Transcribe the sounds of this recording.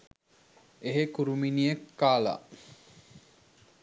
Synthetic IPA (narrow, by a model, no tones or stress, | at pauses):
eɦekuɾuminijekːaːla̰